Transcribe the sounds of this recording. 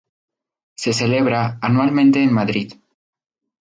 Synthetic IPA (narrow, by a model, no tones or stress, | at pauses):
se̞se̞le̞β̞ɾaːnwalmẽnt̪e̞ːnmaðɾið